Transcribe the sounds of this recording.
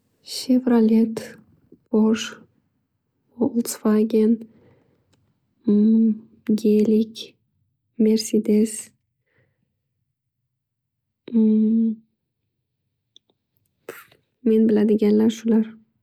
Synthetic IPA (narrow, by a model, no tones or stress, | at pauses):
ʃevɾalʲet̪ | boʃ | olˠt̪sfaɡʲen | ɡʲelikʲ | me̞ɾsed̪es | menbɪlad̪ɪɡʲanlaɾʃʊlaɾ